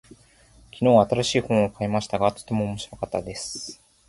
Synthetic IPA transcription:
kʲino̞ːβat̪aɾaɕiːhõ̞ɰ̃okaemaɕi̥t̪aɡat̪o̥t̪ːe̞mo̞ːmo̞ɕiɾo̞kat̪ːad̪e̞sɨ̥

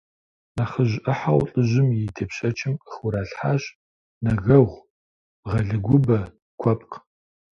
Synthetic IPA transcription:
naχəʑʔɨħawɬʼɨʑɪmjitʰeːpɕʼɐt͡ʃʰʼɪməχʊɾaːɬħaːɕ | nɐɣɐʁʷ | ʁɐɮɨɡʷʊbɐ | kʷʰɔpʼq

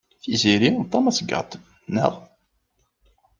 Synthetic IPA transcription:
θiziɾit̪ˤːɑmæsəɡə̰t̪ˤ | nə̰ʁˤ

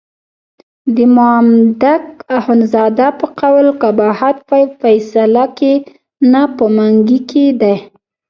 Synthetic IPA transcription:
d̪əmʊamd̪akahʊnzɑd̪apəqawlkabɑhat̪ffajsalake | napəmaŋɡiked̪aj

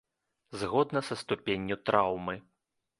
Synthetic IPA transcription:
zɣɔd̪nɐsɐst̪upʲenʲːut̪ɾawmɨ

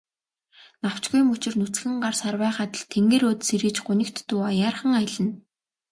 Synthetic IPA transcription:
naw̥t͡ɕɡuj̆mut͡ɕɪ̆rnut͡sxɘ̆ŋɢarsarwæːχaːt̪ə̆ɮt̪ʰːeŋɡeːɾoːt̪seɾɘ̆t͡ɕɢʊnʲɪ̆kt̪ːuːajaːrχə̆ŋaj̆ɮə̆n

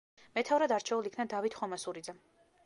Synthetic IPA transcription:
mɛt̪ʰavɾad̪aɾt͡ʃʰɛulikʰnad̪avit̪ʰχɔmasuɾid̪zɛ

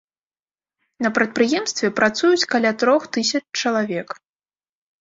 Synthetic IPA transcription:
nɐpɾɐt̪̚pɾɨjɛmst̪vʲɛpɾat̪sujut͡sʲkalʲat̪ɾɔxt̪ɨsʲɐt͡ʂt͡ʂɐlˠavʲɛk

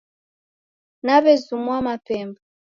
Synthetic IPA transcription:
naβɛzumwamapɛmba

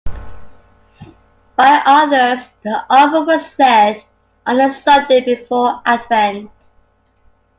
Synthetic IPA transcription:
b̥aɪʔʌðə˞z̥ðiʔɔbəwəz̥sɛd | ʔə̃nəsʌdeɪbɪfɔːʔadvɛ̃nt

